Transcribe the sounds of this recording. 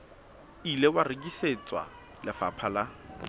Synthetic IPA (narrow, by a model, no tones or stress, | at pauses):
ilewarɪkʼiset͡sʼwa̰ | lɪfa̰pʰala